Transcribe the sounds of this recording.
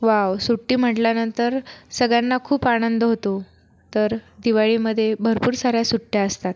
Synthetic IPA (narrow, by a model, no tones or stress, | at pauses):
ʋawsuʈːiːm̤əʈljanənt̪əɾsəɡɭjanːakʰuːpañənd̪əɦot̪o | t̪əɾd̪iʋaɭiːməd̪ʱːjebʱəɾpuːɾsaɾjasuʈːjaəst̪at̪